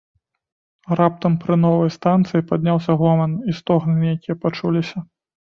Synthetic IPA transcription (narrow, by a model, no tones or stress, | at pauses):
rap̚t̪ɐmpɾɨnɔvɐjst̪ant̪sɨjipad̪ʲnʲawsʲɐɣɔmɐnist̪ɔɣnɨnjakʲijɐpat͡ʂulʲisʲɐ